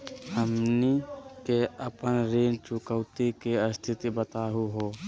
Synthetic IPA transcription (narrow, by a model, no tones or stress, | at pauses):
həmnikeəpənɾeːnt͡ʃʊkəʊt̪ikeəst̪ʰɪt̪ibət̪aːɦuɦoː